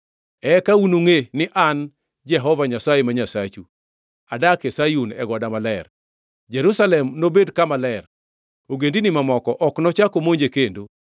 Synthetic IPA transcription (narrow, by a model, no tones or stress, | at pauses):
ɛkaunoŋenɪʔan | d͡ʒɛɦɔvaɲasajemaɲasat͡ʃu | adakesajunɛɡɔdamalɛr | d͡ʒɛɾusalɛmnobedkamalɛr | oɡendinimamɔkɔʔɔknɔt͡ʃakomoɲd͡ʒekendo